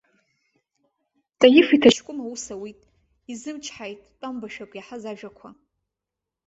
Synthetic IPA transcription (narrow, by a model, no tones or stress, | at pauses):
tʼajɪfitʰat͡ʃʰkʷʼʊmawʊsawitʼ | izɨmt͡ʃʰħajtʼːambaʃᶣakʷʼjaħazaʒᶣakʷʰa